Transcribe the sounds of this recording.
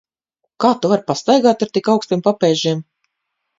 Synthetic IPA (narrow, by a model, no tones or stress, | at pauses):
kaːt̪uvaɾpast̪ajɡaːt̪aɾt̪ikawkst̪impapɛːʒim